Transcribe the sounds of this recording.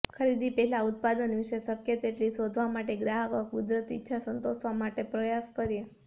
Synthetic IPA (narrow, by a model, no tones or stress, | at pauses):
kʰəɾid̪ʱipɛɦɛlaʊt̪̚pad̪ənʋiʃesəkjət̪eʈlisod̪ʱʋamaʈeɡɾaɦəkʋəkkud̪ɾət̪iitːʃʰasənt̪osʋamaʈepɾəjaskəɾje